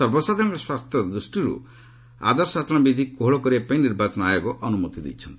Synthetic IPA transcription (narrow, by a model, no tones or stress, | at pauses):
ɔɾbɔsad̪ʱɔnkeswast̪ʰjɔd̪ɾusʈiɾṵ | a̰d̪ɔɾsasɔnɔbid̪ʱikoɦɭɔkɔɾibapainiɾbat͡ʃɔnɔajoɡɔʔɔnumɔt̪id̪ḭjt͡ʃʰɔnt̪i̥